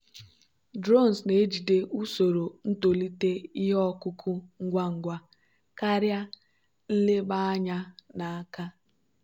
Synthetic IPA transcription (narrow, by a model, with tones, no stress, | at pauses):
dɾo˦˨n̩˨sne˨˦d͡ʒi˨de˦ʔu˦so˨ɾo˨n̩˦to˨li˦te˦i˦ɦɔ˦kʊ˦kʰʊ˦ŋ̩˦ɡʷa˦ŋ̩˨ɡʷa˦ | ka˦ɾja˦ | n̩˦le˦ba˦a˦ɲa˦na˨a˦ka˦